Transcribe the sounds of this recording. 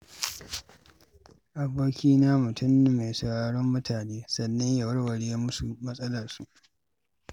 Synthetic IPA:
ʔa˨boː˦kʲiː˦naː˦mʊ˨tʊ˦m˨me˨sɐ˨aː˦ɽɔ˦mːʊ˦tʰaː˨neː˦sɐ˨nːɐ˦ɲja˨wɐ˦ɽwɐ˨ɽeː˦jmʊ˦su˨mɐ˦sʼɐ˦lɐ˨rsu˦ʔ

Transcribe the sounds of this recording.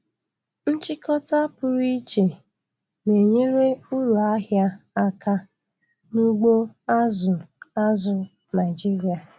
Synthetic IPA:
n̩˦t͡ʃɪ˦kɔ˦ta˦pʊ˨ɾi˦t͡ʃe˨ | ne˨ɲe˦ɾe˦u˦ɾu˨a˦ɦja˦a˦kʰa˦ | nu˦ɡ͡bo˦a˦zʊ˨a˦zʊ˨ | na˨ɪ˨d͡ʒi˦ɾi˨a˨

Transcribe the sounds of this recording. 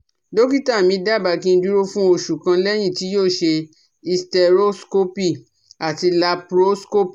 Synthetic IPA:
do˦ki˦ta˦˨mĩ˧˦da˦˨ba˨˧˨kĩ˦˧n̩˦du˦ɾo˦fũ˦o˧˨ʃu˨kã˧lɛ˦j̃ĩ˦˨ti˨˦joː˦˨ʃe˧ | i˧stɛ˧ɾo˦sko˦pi˦˨ | a˨ti˧la˧pɾo˦sko˦p

